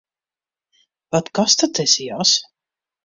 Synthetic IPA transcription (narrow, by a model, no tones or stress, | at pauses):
vat̪kast̪ad̪t̪ɛsijaːs